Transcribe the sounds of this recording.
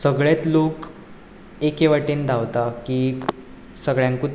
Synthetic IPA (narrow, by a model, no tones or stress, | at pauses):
səɡɭet̪lok | ekeʋaʈiːnd̪ʱaʋt̪akiː | səɡɭjãŋku